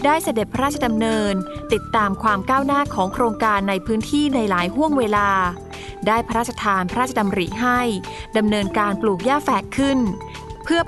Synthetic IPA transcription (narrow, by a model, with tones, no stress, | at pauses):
daː˥˩jsa˧de˨˩pʰa˦˧ɾaː˥˩t̚t͡ɕʰa˧da˧mnɤː˧nt̪i˨˩t̪ːaː˧mkʰwaː˧mkaː˥˩wnaː˥˩kʰɔː˩˦ŋkʰɾoː˧ŋkaː˧nːa˧jpʰɯː˦˥nt̪ʰiː˥˩na˧jlaː˩˦jɦu˥˩əŋweː˧laː˧ | daː˥˩jpʰa˧ɾaː˥˩t̪̚ːʰa˧t̪ʰaː˧npʰa˧ɾaː˥˩t͡ɕʰa˧da˧mɾiː˨˩ɦa˥˩j | da˧mnɤː˧nkaː˧npluː˨˩k̚jaː˥˩fɛː˨˩kʰːɯ˥˩n | pʰɯ˥˩ə